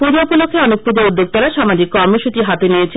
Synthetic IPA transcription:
pud͡ʑopolokʰːeɔnek̚pud͡ʑoud̪ʱːok̚t̪ɔɾaʃamad͡ʑikːɔɾmoʃut͡ɕiɦat̪eniet͡ɕʰe

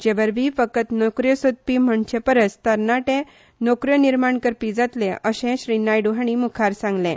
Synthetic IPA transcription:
d͡ʑeʋəɾʋifəkət̪nokɾjəsod̪̚pim̤əɳt͡ɕʰepəɾət͡st̪əɾnaʈẽ | nokɾjəniɾmaɳkəɾpid͡zat̪lẽʔəɕẽɕɾinajɖuɦaɳ̃imukʰaɾsãŋɡlẽ

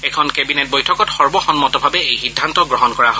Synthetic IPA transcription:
ɛkʰɔnkebinet̚bojtʰɔkɔtxɔɹbɔxɔnmɔtɔbʱabɛejxidʱːantɔɡɹɔɦɔnkɔɹaɦo

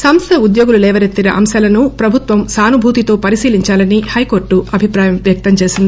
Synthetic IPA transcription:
sɐmst̪ʰɐud̪jo̞ːɡululɛːʋɐɾet̪ːiɾɐʔɐ̰msɐlɐnupɾɐbʱut̪ʋɐmsaːnubʱuːt̪it̪o̞ːpɐɾisiːliɲt͡ʃaːlɐnihɐjko̞ːɾʈːuʔɐbʱipɾaːjɐmʋjɐk̚t̪ɐmt͡ʃe̞ːsind̪ii

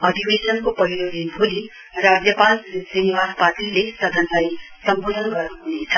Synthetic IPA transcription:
ʌd̪ʱibesʌnkopʌɦiɾolinbʱoli | rad͡zjʌpãld͡ziniwaɾpaʈilesʌd̪ʱʌnlaj | sʌmbod̪ʱʌnɡʌrnuɦunet͡sʰʌ

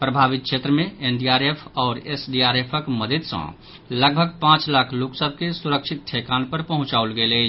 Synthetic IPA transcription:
pɾəbʱaːʋɪt̪̚ʃʰet̪ɾəmẽenɖiaːɾepʰɔːɾesɖiaːɾepʰəkməd̪əd̪sə̰̃ | ləɡ̚bʱəɡ̚pãːt͡ʃlaːkʰloksəbʱkesuɾəkʃʰɪt̪̚ʈʰekaːnpəɾpəɦʊ̃t͡ʃaːulɡele

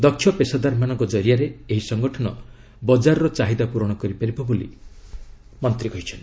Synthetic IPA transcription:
d̪ɔkʰːjɔpesad̪aɾmanɔŋkɔd͡ʒɔɾijaɾeeɦisɔŋɡɔʈʰɔnɔ | bɔd͡ʒaɾɔɾɔt͡ʃaɦid̪apuɾɔɽ̃ɔkɔɾipaɾibɔbolḭ | mɔnt̪ɾiɡɔjt͡ʃʰɔnt̪i

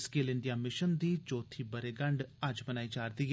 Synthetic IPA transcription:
skeːlɪɳɖɪjaːmɪʃənd̪iːt͡ʃoːt̪ʰiːbəɾeːɡəɳɖəd͡ʒbənaːiːd͡ʒaːɾd̪iːɦ

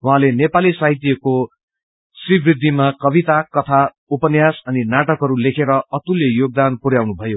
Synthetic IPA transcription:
wuɦãlenepalisaɦit̪jʌko | sribrid̪ʱːimakʌbit̪akʌt̪ʰa | upʌnjasʌninaʈʌkɦʌɾulekʰeɾʌʌt̪uljʌjoɡ̚d̪anpuɾjawnubʱʌjo

